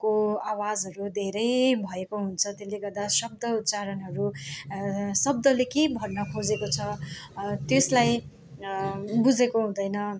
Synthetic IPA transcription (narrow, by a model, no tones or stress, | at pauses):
koawad͡zɦʌɾud̪ʱeɾʌjbʱʌekoɦunt͡sʰʌt̪eleɡʌrd̪asʌb̚d̪ʌut̪t͡saɾʌnɦʌɾu | sʌb̚d̪ʌlekebʱʌrnʌkʰod͡zekot͡sʰʌ | t̪eslaj | bud͡zekoɦũd̪ʌjnʌ